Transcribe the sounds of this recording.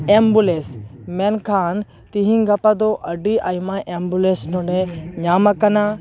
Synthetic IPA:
embulesmenkʰaːn | t̪iɦĩŋɡʱɐpad̪oʔɐɖiʔaːjimãʔembulesnõɖeɲaːmɐkɐna

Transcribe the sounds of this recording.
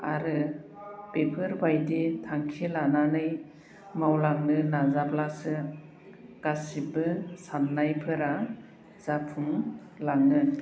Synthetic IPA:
a̰ɾɯ | b̥epʰɯɾbajditʰaŋkʰilananɯj | mawlaŋnɯnazaplasɯ | ɡ̥asibɯsanːajpʰɯɾa | z̥apʰuŋ | laŋnɯ

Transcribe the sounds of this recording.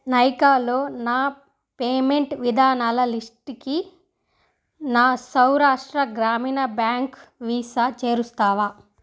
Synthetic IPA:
nɐjkaːlo̞ːnaː | peːmeɳʈʋid̪ʱaːnaːlɐlisʈki | naːsɐwɾaːʂʈɾɐɡɾaːmiːnɐbjaːŋkʋiːsat͡ʃeːɾust̪aːʋaː

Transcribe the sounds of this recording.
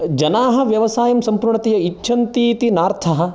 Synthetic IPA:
d͡ʒɐnaːɦɐ̆ʋjɐʋɐsaːjɐmsɐmpuɾɳɐt̪ejɐitːʃʰɐnt̪iːt̪inaːɾt̪ʰɐɦɐ̆

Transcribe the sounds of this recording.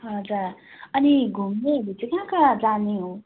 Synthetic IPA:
ɦʌd͡zaɾ | ʌniɡʱumnebit̪ʰikãkad͡zaneɦõ

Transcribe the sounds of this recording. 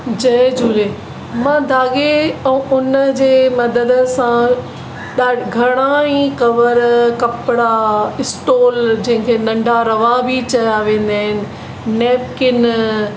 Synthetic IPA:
d͡ʑɐd͡ʑʱuːle | mãd̪ʱaːɠeɛ̃ʊnəd͡ʑeːmɐd̪əd̪əsã | ɗaːɡʱɐɽ̃aĩkɐʋəɾkɐpɪɽaɪsʈoːld͡ʑɐ̃ɦɪ̃kʰenɐ̃ɳɖʱaɾɐʋabʱit͡ɕɐjaʋẽːn̆d̪aːɦɪnɪ̆ | nɛːpkɪn

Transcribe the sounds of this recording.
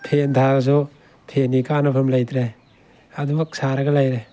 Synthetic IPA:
pʰent̪ʰazɔ | tʰenikanapʰamlajtɾe | adubak̚saɾɐɡalajɾe

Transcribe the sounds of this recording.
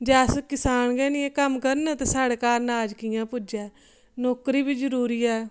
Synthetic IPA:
d͡ʒɛːskɪsaːnɡɛːniːẽːkəmkəɾnɛ̃ːt̪ãːsaːɽeːkaːɾnaːd͡ʒkɪjãːpʊd͡ʒɛː | noːkɾiːbiːd͡ʒəɾuːɾiːɛː

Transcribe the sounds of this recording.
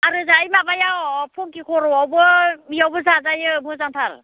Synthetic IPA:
aɾɯzajmabajawpʰɔŋkikʰɔɾɔwawbɯmijawbɯzazajɯmɯzaŋtʰaɾ

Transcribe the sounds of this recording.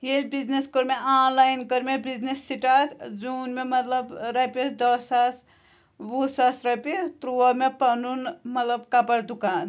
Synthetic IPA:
jelʲbid͡ʒneskoɾmeʔanlajnkəɾmebid͡ʒnesːiʈat̪d͡ʒunmemɐt̪ləbɾɐpid̪ɔsas | busasɾɐpit̪ɾuəmepɐnunmɐt̪ləbkapəɽd̪ukaːn

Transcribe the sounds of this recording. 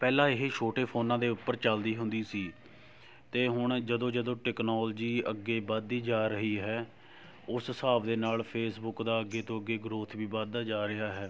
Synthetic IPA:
pɛːlãːɪɦeʃʰoːʈeːpʰoːnãːd̪eːʊpːəɾt͡ʃəld̪iːɦʊnd̪iːsiː | t̪eːɦʊɳd͡ʒəd̪õːd͡ʒəd̪õːʈɛːknoːld͡ʒiːəɡːeːbəd̪iːd͡ʒaːɾəɦiːɦɛː | ʊssaːbd̪eːnaːlpʰeːsbʊkd̪aːəɡːeːt̪õːəɡːeːɡɾoːt̪ʰʋiːbad̪aːd͡ʒaːɾɪɦaːɦɛː

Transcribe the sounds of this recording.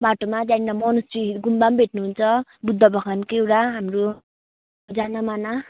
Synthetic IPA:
baʈomad͡zainamʌnʌst͡ʃiɡumbambʱeʈnuɦunt͡sʰʌbud̪ʱːʌbʌkʰankewʈaɦamro | d͡zanamana

